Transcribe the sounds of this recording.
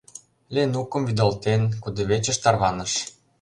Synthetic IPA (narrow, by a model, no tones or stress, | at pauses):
lʲenukə̆mvid̪olt̪enkud̪ĕβet͡ɕə̆ʃt̪ɑrβɑnə̆ʃ